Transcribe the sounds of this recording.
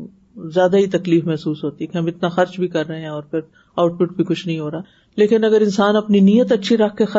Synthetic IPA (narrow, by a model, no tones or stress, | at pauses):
zjaːd̪aɦit̪ɐkliːfmɛɦsuːsɦoːt̪iɦɛkeɦɐmɪt̪naxɐɾt͡ʃbʱikɐɾːɐɦeɦɛ̃ɔːɾpʰɪɾ | aːʊʈ̚pʊʈ̚bʱikʊt͡ʃʰnɐɦĩɦoːɾaː | leːkɪnɐɡəɾɪ̃nsaːnɐpninijət̪ɐtːʃʰiɾɐkʰkexɐ